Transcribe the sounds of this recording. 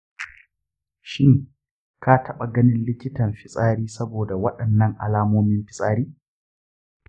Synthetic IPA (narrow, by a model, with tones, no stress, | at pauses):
ʃɪ˦ŋ | kaː˦tʰɐ˦ɓa˨ɡɐ˦nɪ˦nlɪ˦kʲɪ˦tɐ˨mɸɪ˦sʼaː˦ɾiː˦sɐ˦boː˨da˨wɐ˦ɗɐ˨nːɐ˦˨ŋʔa̰˨laː˦moː˦mɪ˦mɸɪ˦sʼaː˦ɾiː˦